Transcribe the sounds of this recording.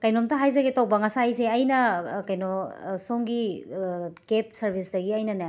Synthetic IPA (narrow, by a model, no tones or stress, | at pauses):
kɐjnomtɐɦajzɐɡetow̚bɐŋɐsajseɐjnɐkɐjnosoŋɡi | kep̚sɐɾbʱisdɐɡiɐjnɐna